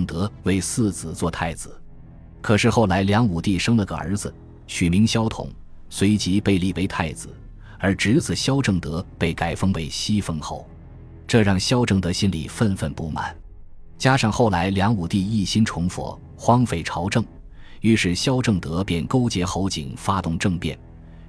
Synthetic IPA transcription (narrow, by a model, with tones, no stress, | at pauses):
ŋt̪ɤ˧˥we˥˧ɪsɹ̩˥˩t͡sɹ̩˨˩t͡swɔ˥˧t̪ʰa˥˩ɪd͡zɹ̩˩ | kʰɤ˨˩ʂɻ̩˥˧xo˥˩ʊla˧˥ɪljɑ˧˥ŋu˨˩t̪i˥˩ʂɤ˥ŋlə˧˩ɡə˧ə̰˞˧˥d͡zɹ̩˧˦ | ɕy˨˩mi˧˥ŋɕjɑ˥ʊt̪ʰʊ̰˧˩˦ŋ | swe˧˥ɪt͡ɕi˧˥pe˥˧ɪli˥˩we˧˥ɪt̪ʰa˥˩ɪd͡zɹ̩˨˩ | ə˞˧˥ʈ͡ʂɻ̩˧˥t͡sɹ̩˨˩ɕjɑ˥ʊʈ͡ʂɤ˥˩ŋt̪ɤ˧˥pe˥˩ɪka˨˩ɪfɤ˥ŋpe˥˩ɪɕi˥fə˥ŋxo˥˩ʊ | ʈ͡ʂɤ˥˧ɻɑ˥˩ŋɕjɑ˥ʊʈ͡ʂɤ˥˩ŋt̪ə˧˥ɕi˥nlḭ˨˩fə˥˧nfə˥˧npu˥˩ma̰˨˩˦n | t͡ɕja˥ʂɑ˥˧ŋxo˥˩ʊla˧˥ɪljɑ˧˥ŋu˨˩t̪i˥˧i˥˩ɕi˥nʈ͡ʂʰʊ˧˥ŋfwɔ̰˨˩˦ | xwɑ˥ŋfe˥˩ɪʈ͡ʂʰɑ˧˥ʊʈ͡ʂɤ˥˩ŋ | y˥˩ʂɻ̩˥˩ɕjɑ˥ʊʈ͡ʂɤ˥˩ŋt̪ɤ˧˥pjɛ˥˩nko˥ʊt͡ɕjɛ˧˥xo˧˥ʊt͡ɕḭ˨˩ŋfa˥t̪ʊ˥˧ŋʈ͡ʂɤ˥˧ŋpjɛ̰˥˩n